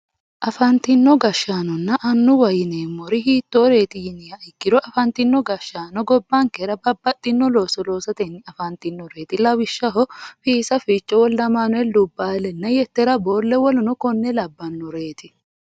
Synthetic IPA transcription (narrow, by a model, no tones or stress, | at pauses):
ʔɐfɐnt̪ɪnːɔɡɐʃːaːnɔnːɐʔɐnːʊwɐjɪneːmːɔɾɪɦiːt̪ːoːɾe̞ːt̪ɪjɪnɪjɐɪkːɪɾɔʔɐfɐnt̪ɪnːɔɡɐʃːaːnɔɡɔbːaŋkɛɾɐbɐbːɐt̪ʼːɪnːɔloːsɔlo̞ːsɐt̪ɛnːɪɐfɐnt̪ɪnːɔɾe̞ːt̪ɪlɐwɪʃːɐɦɔfiːsɐfiːt͡ʃʼːɔwɔlːɐmaːnɔɛlʊbːaːlɛnːɐjɛt̪ːɛɾɐbo̞ːlːɛwɔlʊnɔkɔnːɛlɐbːɐnːɔɾe̞ːt̪ɪ